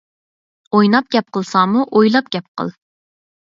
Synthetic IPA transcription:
ojnɑp̚ɡʲɛp̚qʰəlˠsɑmuʔojlˠɑp̚ɡʲɛp̚qʰə̰lˠ

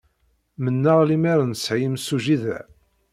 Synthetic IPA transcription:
mənːaʁlimæɾənsʕimsuʒiðæ̰

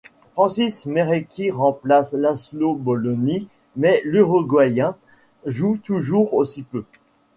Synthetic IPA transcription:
fχɑ̃sismeʁekʲiʁɑ̃plaslaslobɔlɔni | mɛlyʁoɡwajɛ̃ | ʒut̪uʒuːʁosipø

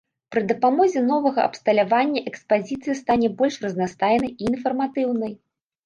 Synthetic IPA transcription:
pɾɨd̪ɐpamɔzʲɛn̪ɔvɐɣɐ̰ʔɐ̰pst̪ɐlʲavanʲːɐʔɛkspazʲit̪sɨjɐst̪anʲɛbɔlʲʂrɐznast̪ajnɐjiːnfɐrmat̪ɨwnɐj

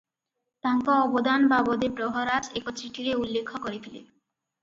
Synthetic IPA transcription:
t̪aŋkaɔbod̪anbabod̪ebɾoɦoɾad͡ʑekotɾiʈiɾeulːekʰːokoɾefʰilḛ

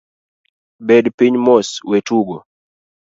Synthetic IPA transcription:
bɛdpiɲmɔswetuɡɔ

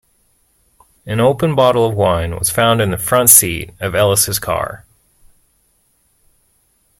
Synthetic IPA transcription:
ɨ̃noʊpə̃nbɑɾl̩ˠʌvwãɪ̃nwʌ̰z̥fãʊ̃ndɨ̃nðɨfɹʌ̃ntsḭɾʌvɛlˠəsɨz̥kʰɑ̰ɹ

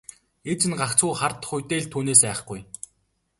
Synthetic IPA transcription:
et͡ɕɪ̆nɢakt͡sʰuːχart̪̆χʊjʲt̪eːɮt̪ʰuːneːs̬æːχ̆ɡuj

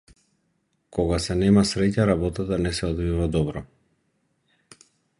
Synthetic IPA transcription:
kɔɡasɛnɛmasɾɛcaɾabɔt̪at̪anɛsɛɔd̪vivad̪ɔbɾɔ

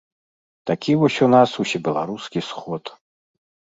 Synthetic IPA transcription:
t̪akʲivɔsʲunasuwsʲɛbʲɛlˠa̰ɾuskʲisxɔt̪

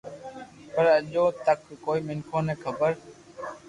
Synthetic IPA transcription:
pəɾəʄõːt̪əkkoːiːmɪŋkʰõːnẽːkʰəbəɾ

